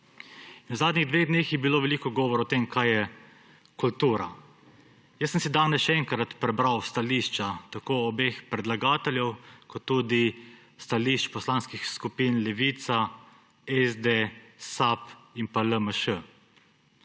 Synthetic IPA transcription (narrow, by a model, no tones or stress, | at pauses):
inwzaːd̪nʲiɣd̪ʋeɣd̪neːxjɛbiloːʋɛliːkɔɡɔːʋɔɾɔt̪emkʰajɛ | kult̪uːɾa̰ | jəsːəmsid̪aːnɛsʃɛɛːŋkɾat̪pɾɛbɾawst̪aliːʃt͡ʃat̪akoːɔbexpɾɛd̪laɡaːt̪ɛljɛwkɔt̪ːuːd̪i | st̪aliʃt͡ʃpɔslanskixskupinlɛʋiːt̪sa | ɛzd̪esapinpaləməʃə